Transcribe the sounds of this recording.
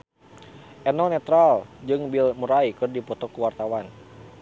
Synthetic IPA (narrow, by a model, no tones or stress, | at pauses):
ʔɛnɔnɛt̪ɾald͡ʒɨŋbilmuɾaikɨrdipɔt̪ɔkuwart̪awan